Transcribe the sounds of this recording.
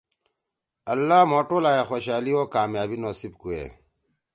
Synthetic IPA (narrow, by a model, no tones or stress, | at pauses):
ɐlːaːmoːʈolaːjexoːɕaːlioːkaːmjaːbinoːsib̚kuḛ